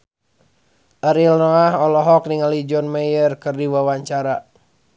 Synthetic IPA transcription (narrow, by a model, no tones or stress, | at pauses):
ʔəɾilnɔaɦɔlɔɦɔk̚niŋalid͡ʒɔnmɛjərkɨrdiwawaɲt͡ʃaɾa